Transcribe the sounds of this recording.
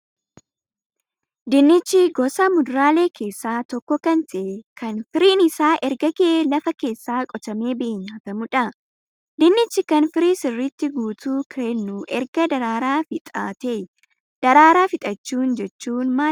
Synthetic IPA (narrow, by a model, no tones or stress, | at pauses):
d̪ɪnːɪt͡ʃːɪɡɔsɐmʊd̪ʊɾaːle̞ːkʰe̞ːsːaːt̪ɔkːɔkɐnt̪ɐʔɛkʰɐnfɪɾiːnɪsaːʔɛɾɡɐɡɪʔelɐfɐke̞ːsːaːkʼɔt̪ɐme̞ːbeːɲːaːt̪ɐmʊᶑɐ | d̪ɪnːɪt͡ʃːɪkɐnfɪɾiːsɪrːɪt̪ːɪɡuːt̪uːkɾenːuːʔɛɾɡɐd̪ɐɾaːɾaːfɪt̪ʼa̰ːt̪eː | d̪̥ɐɾaːɾaːfɪt̪ʼɐt͡ʃːuːnd͡ʒɛt͡ʃːuːnmaː